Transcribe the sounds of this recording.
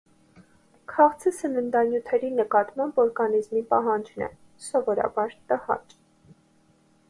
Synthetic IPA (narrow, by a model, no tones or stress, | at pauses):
kʰɑʁt͡sʰəsɛmənd̪ɑnjut̪ʰɛɾinəkɑt̪mɑmbɔɾɡɑnizmipɑɦɑnd͡ʒnɛ̰ | sɔvɔɾɑ̰bɑɾt̪əhɑ̰t͡ʃ